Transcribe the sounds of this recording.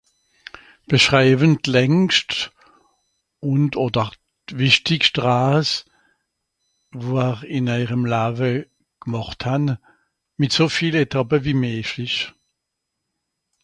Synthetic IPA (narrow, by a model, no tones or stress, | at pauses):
b̥əʃʁaɪbəntlɛŋst | ʊntoːdəʁ | vɪʃtɪkʃtʁaːs | voːɛʁɪnaɪʁəmlaːvə | ɡ̥mɔχthan | mɪtsoːfiːletʰapəviːmeːflɪç